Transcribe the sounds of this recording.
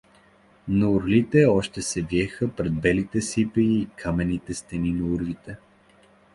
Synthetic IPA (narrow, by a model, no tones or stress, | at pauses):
nɐuɾlit̪ɛɔʃt̪ɛsɛviɛxəpɾɛd̪̚bɛlit̪ɛsipəːkʰamɛnit̪ɛst̪ɛninɐuɾvit̪ɛ